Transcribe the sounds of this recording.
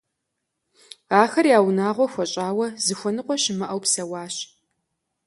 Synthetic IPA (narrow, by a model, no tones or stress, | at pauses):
aːxɐrjaːwnaːʁʷɔxʷɔɕʼaːwɐzɨxʷɔnɨqʷʼɔɕɪmɐʔɐwpsɐwɑːɕ